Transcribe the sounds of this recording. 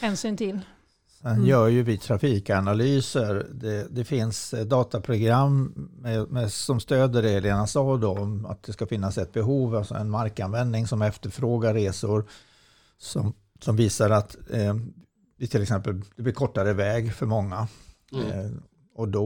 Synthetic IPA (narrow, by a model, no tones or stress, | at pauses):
hɛːnsyːnt̪ʰɪl | sɛnjœːɾjɵvɪt̪ʰɾafiːkanalyːsəɾd̪ɛd̪ɛfɪnsd̪ɑːt̪apʰɾʊɡɾamːɛmɛsɔmst̪øːd̪əɾɛleːnasɑːd̪ɔa̰t̪̚d̪ɛskafɪnːasɛt̪̚bɛɦuːvalsɔ̰ɛ̰nmaɾkanvɛnd̪nɪŋsɔmɛft̪əɾfɾoːɡaɾːeːsʊɾ | sɔm | sɔmviːsaɾat̪ | vɪt̪ʰɪlɛksɛmpəld̪̥ɛblɪɾkʰɔʈːaɾəvɛːɡfœɾmɔŋːa | ɔd̪ɔ